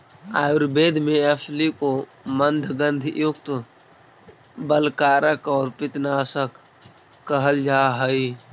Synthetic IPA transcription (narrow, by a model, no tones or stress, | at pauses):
a̰ːjʊɾbeːd̪ʱmẽəsliko | mə̃nd̪ʱɡə̃nd̪ʱjʊkt̪ | bəlkaːɾəkɔːɾpɪt̪naːsəkː | əɦəld͡ʒaːɦəi